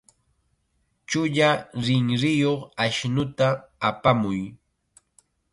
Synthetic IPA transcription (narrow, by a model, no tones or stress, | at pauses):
t͡ʃʊʎaɾɪŋɾɪjoχaʃnʊt̪aːpamʊj